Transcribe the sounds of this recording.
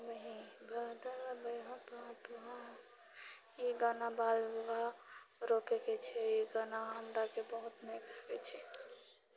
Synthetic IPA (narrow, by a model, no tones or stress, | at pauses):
bəɦĩbʱəɦd̪əɾabəɦə̃t̪oɦãt̪oɦã | iɡanabalbuɦaɾokɛkɛt͡ʃʰɛiɡanaɦəmɾakebəɦut̪mekəbɛt͡ʃʰɛ